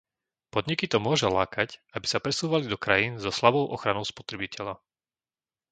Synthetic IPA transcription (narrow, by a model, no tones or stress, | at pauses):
pɔd̪ɲikit̪ɔmʊɔʒɛlaːkacabisapɾɛsuːʋalid̪ɔkɾajiːnzɔslabɔʊʔɔxɾanɔʊspɔ̥t̪ɾɛbicɛla